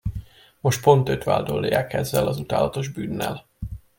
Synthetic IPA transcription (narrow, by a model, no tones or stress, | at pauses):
mo̞ʃt̪̚po̞nt̪ø̞t̪ʋa̰ːld̪o̞ljaːkɛzːɛlɒzut̪aːlɒt̪o̞ʒbyːnːɛ̰l